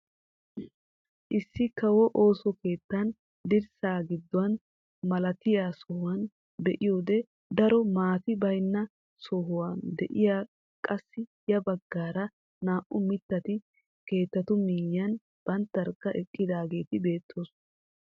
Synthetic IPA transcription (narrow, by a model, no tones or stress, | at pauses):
ʔɪsːɪkɐwɔʔo̞ːsɔke̞ːt̪ːɐn | d̪ɪɾsaːɡɪd̪ːɔwɐn | mɐlɐt̪ɪjaːsɔhʊwɐn | bɛʔɪjoːd̪ɛ | d̪ɐɾɔmaːt̪ɪbɐjnːɐ | sɔɦʊwand̪ɛ̰ʔɪjaː | kʼɐsːɪjɐbɐɡːaːɾɐ | naːʔʊmɪt̪ːɐt̪ɪ | ke̞ːt̪ːɐt̪ʊmijɐn | b̥ɐnt̪ːɐɾkːɐʔɛkʼːɪd̪aːɡe̞ːt̪ɪbe̞ːt̪ʰːo̞ːs